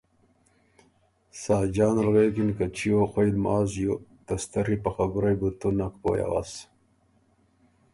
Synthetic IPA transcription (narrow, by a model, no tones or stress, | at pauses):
sɑːd͡ʑɑːnɾɣekinkat͡ɕʰijoxojlmaːzjot̪ɐst̪ɐɾipaxaɡuɾajbut̪unakpo̰ja̰wa̰s